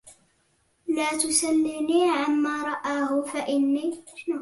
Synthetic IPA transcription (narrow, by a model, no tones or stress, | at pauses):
laːt̪ʊsanːiniːʕanmaːɾˤɑʔaːhʊfaʔɪnːiːn